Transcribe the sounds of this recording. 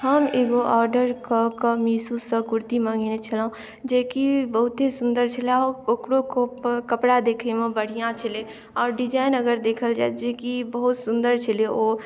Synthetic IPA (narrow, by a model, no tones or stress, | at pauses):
ɦəmeːɡoʔɔːɾɖəɾkokəmiːsusəkʊɾt̪imə̃ŋɡinet͡ʃʰəlã | d͡ʒeːkibəɦʊt̪esʊ̃nd̪əɾt͡ʃʰəleɔːokɽokokəpɽad̪eːkʰemẽbəɽ̤ijãt͡ʃʰəle | ɔːɾɖid͡ʒaːɪnəɡəɾd̪eːkʰəld͡ʒa̰ːd͡ʒekibəɦut̪sʊ̃nd̪əɾt͡ʃʰəleo